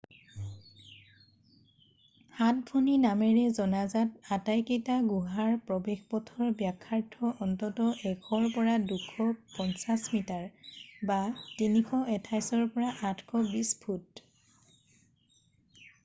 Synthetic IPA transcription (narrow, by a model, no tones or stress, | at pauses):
hatbʰʱɔninamɛɹɛzɔnazatatajketaɡuɦaɹpɹɔbexpɔtʰɔɹbjakʰːaɹtʰɔʔɔntɔtɔʔɛkʰɔɹpɔɹadukʰːɔpɔnsasmitaɹbatinikʰɔɛtʰajsɔɹpɔɹaʔatʰkʰɔbispʰut